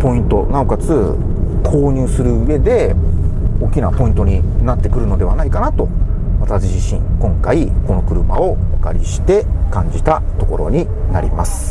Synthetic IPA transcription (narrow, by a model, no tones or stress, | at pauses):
po̞ĩnt̪o̞naokat͡sɨ | kʰo̞ːɲ̟ɨːsɨɾɯ̟ɯe̞d̪e̞ | o̞kʲinapo̞ĩnt̪o̞ɲ̟inat̪ːe̞kɯ̟ɾɯ̟nod̪e̞βanaikanat̪o̞βat̪aɕiʑiɕḭ̃ŋkõ̞ŋkaiko̞no̞kɯ̟ɾɯ̟ma̰o̞βaka̰ɾʲiɕi̥t̪e̞kãɲ̟d͡ʑit̪at̪o̞ko̞ɾo̞̰ɲ̟i | naɾʲḭmasɨ̥